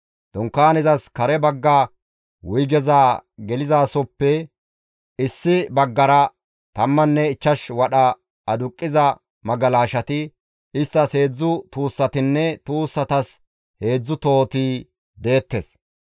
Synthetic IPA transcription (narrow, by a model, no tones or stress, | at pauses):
d̪̥ʊŋkːaːnɛzɐskɐɾɛbɐɡːa | wʊjɡɛzaːɡɛlɪzaːsɔpːɛ | ɪsːɪbɐɡːɐɾɐ | t̪ɐmːɐnːɛɪt͡ʃːɐʃwɐɗɐ | ɐd̪ʊkʼːɪzɐ | mɐɡɐlaːʃɐt̪ɪ | ɪst̪ːɐshe̞ːd͡zːʊt̪uːsːɐt̪ɪnːɛt̪uːsːɐt̪ɐs | he̞ːd͡zːʊt̪o̞ːt̪iː | d̪e̞ːt̪ːes